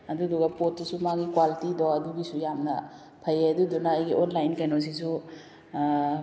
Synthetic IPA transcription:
ɐdudɔɡɐpotːusumaɡikwalitidɔɐduɡisujamnɐ̰ | pʰajeɐdudɔnaːjɡiʔonlajnkajnɔs̬is̬u

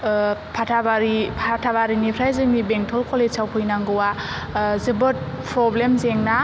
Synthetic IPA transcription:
pʰatʰabaɾipʰatʰaβaɾinipʰɾajzɯŋnibeŋtʰɔlkʰolesawpʰɯjnaŋɡɯwa | zɯbɯt̚ | pʰɾɔblemzeŋna

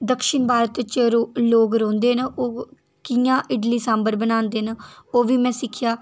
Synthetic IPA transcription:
d̪əkʃɪnbʱaːɾət̪t͡ʃəɾoːloːɡɾõːnd̪eːnoː | kɪjãːʔɪɖliːsãːmbəɾbənaːnd̪eːnoːʋiːmɛ̃ːsɪkʰːɪjaː

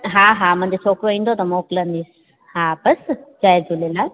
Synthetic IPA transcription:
ɦãɦãmɐ̃ɦɲd͡ʑet͡ɕʰoːkɾoĩːnd̪ot̪ɐmoːklə̃nd̪iːs | ɦãbɐsd͡ʑaːjd͡ʑulelaː

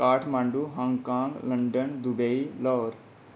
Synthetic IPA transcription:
kaːʈʰmãːɳɖuːɦãːŋɡkãːŋɡləɳɖənd̪ubeilɔːɾ

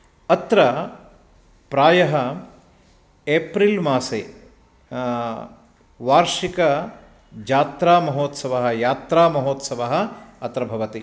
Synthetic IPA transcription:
ɐt̪ɾɐ | pɾaːjɐɦɐ | eːpɾilmaːseː | ʋaːɾʃikɐ | d͡ʒaːt̪ɾaːmɐɦoːt̪sɐʋɐɦɐ̆jaːt̪ɾaːmɐɦoːt̪sɐʋɐɦɐ̆ɐt̪ɾɐbʱɐʋɐt̪i

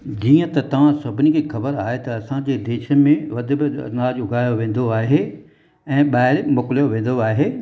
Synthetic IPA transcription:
d͡ʑiːə̃t̪ɐt̪ɐʋ̤ãsɐbʱɪnikʰeːxɐbəɾaːɦet̪ɐɐsãd͡ʑeːd̪eːʃəmẽʋɐd̪ʱɪ̆bɪ̰naːd͡ʑʊɡʱaːjoʋẽːn̆d̪oaːɦe | ɛ̃ːɓaːɦɪɾmʊːkɪlijoʋẽːn̆d̪oaːɦeː

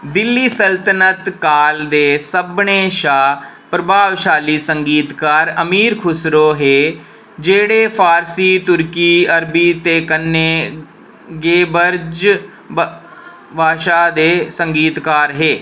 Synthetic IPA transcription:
d̪ɪlːiːsəlt̪ənət̪kaːld̪eːsəbɳeːʃaː | pɾəbʱaːʋʃaːliːsəŋɡiːt̪kaːɾəmiːɾkʰʊsɾoːɦeː | d͡ʒeːɽeːpʰaːɾsiːt̪ʊɾkiːəɾbiːt̪eːkənːeː | ɡeːbəɾd͡ʒ | bʱaːʃaːd̪eːsəŋɡiːt̪kaːɾɦeː

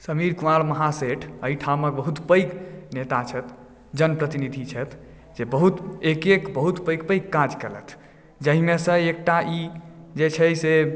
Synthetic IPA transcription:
səmiɾkualməɦaseʈʰəiʈʰaməkbəɦut̪pəjknet̪at͡ʃʰət̪ʰ | d͡ʒənpɾət̪inid̪ʱit͡ʃʰət̪ʰ | d͡ʒebəɦut̪ekekbəɦut̪pəjkpəjkːad͡ʒkelə̰t̪ʰ | d͡ʒəɦimesə̃ek̚ʈaʔid͡ʒet͡ʃʰəjse

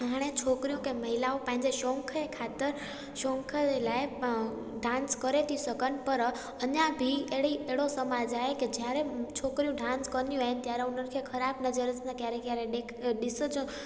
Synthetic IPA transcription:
ɦaːɽ̃et͡ɕʰoːkɾijũkẽmɐɦɪlaopə̃ɦɪ̃ɲd͡ʑeʃõːŋkʰəekʰaːt̪əɾ | ʃõːŋkʰəelaːe | ɖãːnskəɾet̪ʰisəkənɪ̆pəɾ | əɲãbʱieɦɽieɦɽosəmad͡ʑaːɦeked͡ʑjaɾet͡ɕʰoːkɾijũɖʱãːnskənijũaːɦɪnɪ̆t̪jaːɾeʊn̤ənɪ̆kʰekʰəɾaːbnəd͡ʑəɾəsnãt̪jaɾekjaɾeɗekɗɪsd͡ʑo

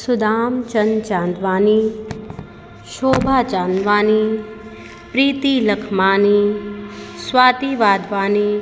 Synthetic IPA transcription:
sʊd̪aːmt͡ʃɐnt͡ʃãːnd̪ʋaːni | ʃoːbʱaːt͡ʃãːnd̪ʋaːni | pɾiːt̪ilɐkʰmaːniː | swaːt̪iʋaːd̪ʱʋaːniː

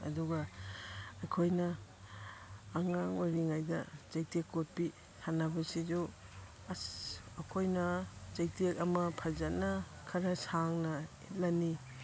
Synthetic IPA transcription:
ɐ̰duɡa | ɐjkʰojnɐ | ŋaŋojɾiŋajdɐt͡ʃajtekːot̚pi | hanːɐbɐsid͡ʒu | ɐkʰojnɐt͡ʃajtekɐmɐpʰazanɐ | kʰɐɾɐsaŋnɐitlani

